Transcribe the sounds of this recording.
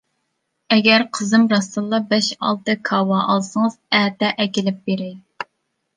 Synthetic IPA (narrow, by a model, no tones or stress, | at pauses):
ɛɡʲæɾqʰəzɨmɾɑst̪ɨlˠːɑbɛʃɑ̰lˠt̪ɨkʰɑwɑʔɑlˠsɨŋəzɛːt̪ɛʔɛkʲilɪp̚beɾɪ